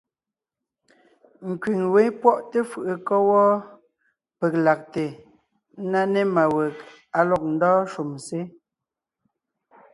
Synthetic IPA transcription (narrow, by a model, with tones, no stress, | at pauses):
ŋ̩˨kɥi˨ŋwe˨˦pwɔ˦ʔte˦fɯ˨ʔə˨kɔ˦wɔ˦ | pe˨k̚la˨k̚te˨˦ | na˦ne˦ma˨we˨k | a˨lɔ˨k̚n̩˦dɔː˦ʃu˨mse˦